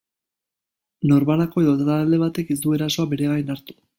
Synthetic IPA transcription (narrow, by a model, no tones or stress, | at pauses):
no̞ɾmalako̞e̞ðo̞t̪aɾald̪e̞β̞at̪e̞kiz̬d̪ue̞ɾaso̞abe̞ɾe̞ɣajnaɾt̪u̥